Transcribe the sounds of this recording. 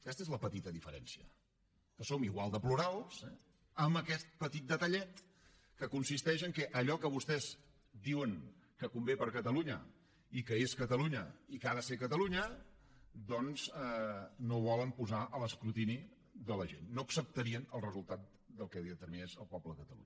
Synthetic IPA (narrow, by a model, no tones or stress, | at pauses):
kɛst̪ezləpət̪it̪əðifəɾɛ̰nsiə̰ | kəsomiɣwalˠd̪əpluɾalˠsɛ | əmbəkɛt̪̚pət̪it̪̚d̪ət̪əʎɛt̪ | kəkunsist̪ɛʃəŋkɛʔəʎɔkəβust̪ɛz | d̪iwəŋkəkumbepəɾkət̪əluɲə̰ | ikəeskət̪əluɲəikaðəsekət̪əluɲə | d̪ɔnz | noβ̞ɔləmpuzaʔələskɾut̪ini | ðələʒenːoəksəp̚t̪əɾiənəlˠrəzulˠt̪at̪̚ | d̪əlˠkɛðiðət̪əɾminezəlˠpɔbləkət̪əlṵɲə